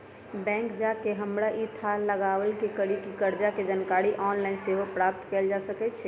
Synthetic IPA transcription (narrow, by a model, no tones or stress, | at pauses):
bɛ̃ŋkd͡ʒakeɦəmɾaʔit̪ʰaləɡaʋəlkekəɾikikəɾd͡ʒaked͡ʒənkaɾiʔɔnlainseɦopɾap̚t̪kɛld͡ʒasəkɛt̪t͡ʃʰɛ